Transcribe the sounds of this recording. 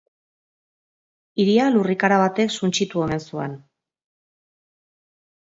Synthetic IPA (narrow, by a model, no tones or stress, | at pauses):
iɾialurikaɾaβ̞at̪e̞ksunt͡ʃit̪uo̞me̞nsuḛn